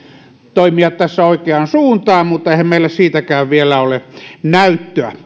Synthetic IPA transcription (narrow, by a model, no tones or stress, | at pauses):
t̪oˑimiɑt̪t̪æsːæoˑikeɑnsuːnt̪ɑːmmut̪ːɑeˑhæmmeˑilːæssiːt̪ækæːʋʋielæolenæyt̪ːøæ̰